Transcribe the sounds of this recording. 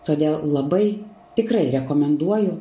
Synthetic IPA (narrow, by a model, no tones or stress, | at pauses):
t̪oːd̪ʲeːlˠlˠɐbɐɪ | t̪ʲɪkɾɐɪɾʲɛkoːmʲɛnd̪uɔjʊ